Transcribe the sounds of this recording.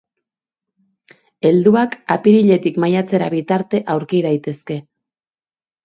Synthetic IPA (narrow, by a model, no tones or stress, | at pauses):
e̞ld̪uakapiɾiʎe̞t̪ikmajat͡se̞ɾaβit̪aɾt̪e̞ʔawɾkið̞ajt̪e̞ske̞